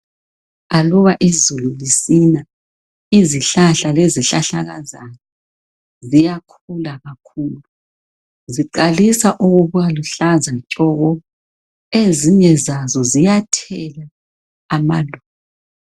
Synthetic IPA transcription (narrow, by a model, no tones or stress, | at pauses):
aluβaʔizululisina | iziɬaɬaleziɬaɬaɣa̰zanɔ | zijakʰulaɣakʰuːlu | ziǃalisaʔuɣuβujaluɬazat͡ʃʼɔɣɔ | eziɲɛzazɔzijatʰɛlaː | ma̰luːŋa